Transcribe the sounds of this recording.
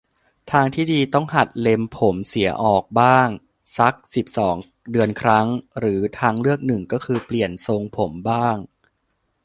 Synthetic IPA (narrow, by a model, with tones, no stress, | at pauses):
t̪ʰaː˧ŋt̪ʰiː˥˩diː˧t̪ɔ˥˩ŋha˨˩t̪̚le˧mpʰo˩˦msi˩˦ɐʔɔː˨˩k̚baː˥˩ŋ | sa˦˥k̚si˨˩p̚sɔː˩˦ŋ | dɯ˧ənkʰɾa˦˥ŋɾɯː˩˦t̪ʰaː˧ŋlɯ˥˩ək̚nɯ˨˩ŋkɔː˥˩kʰɯː˧pli˨˩ənso˧ŋpʰo˩˦mbaː˥˩ŋ